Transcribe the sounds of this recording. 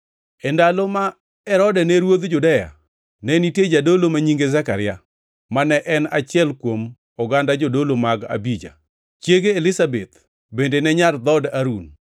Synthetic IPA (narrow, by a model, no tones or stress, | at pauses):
ɛndaloma | ɛɾɔdɛnɛɾwod̪d͡ʒʊdɛja̰ | nɛnited͡ʒadolomaɲiŋɡezakaɾɪja | manɛʔɛnat͡ʃɪɛlkwom | ɔɡandad͡ʒodolomaɡa̰bid͡ʒa̰ | t͡ʃjeɡeːlɪsabet̪ | bendenɛɲard̪ɔdaɾun